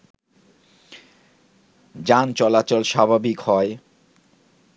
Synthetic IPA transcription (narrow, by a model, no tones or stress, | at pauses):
d͡ʑant͡ɕɔlat͡ɕolʃabʱabikhɔe